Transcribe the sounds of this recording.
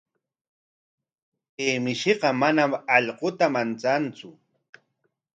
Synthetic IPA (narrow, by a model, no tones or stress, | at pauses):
eːmɪʃɪɢɑmanamɑʎqot̪amant͡sant͡sʊ